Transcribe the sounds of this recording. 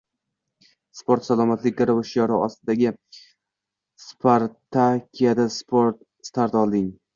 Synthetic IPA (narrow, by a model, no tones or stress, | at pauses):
spʰoɾt̪salˠɒmat̪lɪk̚ʲːaɾevɪʃjɒɾɪɒst̪ɪd̪aɡʲɪ | spʰaɾt̪ʰakʲʰijad̪aspʰoɾt̪̚ | st̪ʰaɾt̪ɒlˠd̪ɪŋ